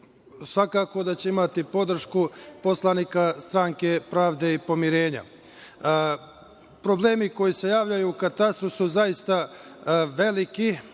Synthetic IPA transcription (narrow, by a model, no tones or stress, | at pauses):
sʋakaːko̞d̪at͡ɕe̞imat̪ipo̞d̪r̩ʃkupo̞slˠanikast̪ɾaːŋke̞pɾaːʋd̪e̞ipo̞miɾe̞ːɲa̰ | pɾo̞ble̞ːmiko̞jise̞jaːʋʎajuːkat̪ast̪ɾusuzajist̪a | ʋe̞liki